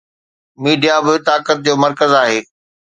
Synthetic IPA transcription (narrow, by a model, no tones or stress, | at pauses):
miːɖijabɪt̪aːkət̪̚d͡ʑoːmɐɾkəzaːɦeː